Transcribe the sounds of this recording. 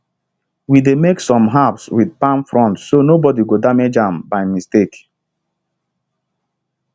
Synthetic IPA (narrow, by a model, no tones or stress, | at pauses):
widemeksɔ̃mɦapswidpãnfɹɔ̃ntsonobɔdiɡodamed͡ʒãmbaɪmistek